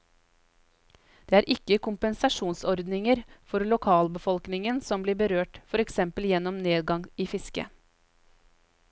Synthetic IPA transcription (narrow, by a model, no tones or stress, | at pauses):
d̪̥eːæːɾʔɪkːəkʊmpənsɑʂuːnsɔɾd̪nɪŋəɾfɔɾlʊkʰɑːlbəfɔlknɪŋənsɔmbliːɾbəɾøːʈfɔɾɛksɛmpəljɛnːɔmneːd̪ɡɑŋiːfɪskə̰